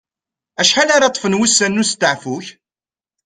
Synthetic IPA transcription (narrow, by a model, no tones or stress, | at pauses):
æʃħalaɾɑt̪ˤːfənwisːænːust̪ːəʕfuç